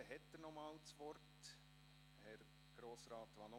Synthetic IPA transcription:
ɦɛt̪dənɔmɑːlt͡sʋɔɾt | hɛɾ | ɡ̥ɾoːsɾɑːt̪ʋɑno

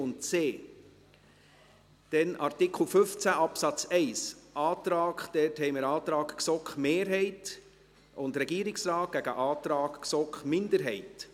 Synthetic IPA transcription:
ʊntt͡seː | d̥ɛnʔɑɾtɪkʰl̩fɵft͡sæʔɑpsɑt͡sɛɪsʔɑːt̪ɾɑːkχd̥̪ɛthɛɪməɾɑːt̪ɾɑːkksɔkχmeːɾɦɛɪt | ʊndɾɛɡiːɾɪksɾɑːt̚ɡ̥æɡ̥əʔɑːt̪ɾɑːkksɔkχmɪnd̪əɾɦɛɪt

